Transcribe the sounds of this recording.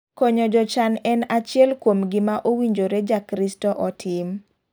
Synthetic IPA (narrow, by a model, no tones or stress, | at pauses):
kɔɲɔd͡ʒɔt͡ʃanɛnat͡ʃɪɛlkwomɡɪmaʔowiɲd͡ʒoɾed͡ʒakɾistɔʔɔtʰɪm